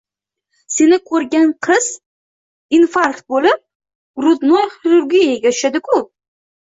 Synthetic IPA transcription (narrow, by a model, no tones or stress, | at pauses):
se̞nɪkʰɵɾɡʲanqʰɨz̥ | infaɾkt̪̚bolɪp̚ | ɾʊt̪nojχiɾʊɾɡʲijaɡʲat̪ʊ̥ʃad̪ɪkʰʊ